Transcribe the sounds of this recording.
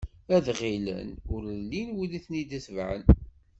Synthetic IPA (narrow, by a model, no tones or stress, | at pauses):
æðʁilə̰nʊɾlːinwiliθnid̪əsvʕə̰n